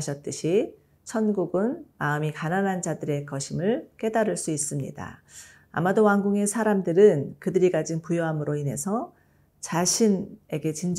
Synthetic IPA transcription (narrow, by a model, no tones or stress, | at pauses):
ɕʰʌt̚t͈ɯɕʰi | sʰʌnɡuɡɯnmaɯmikananɦand͡ʑadɯɾe̞kʌɕʰimɯɭk͈e̞daɾɯɭs͈uis͈ɯmɲḭda̰ | a̰madowaŋɡuŋe̞sʰaɾamdɯɾɯnkɯdɯɾiɡad͡ʑinpujoɦamɯɾoine̞sʰʌ | t͡ɕaɕʰine̞ɡe̞t͡ɕind͡ʑ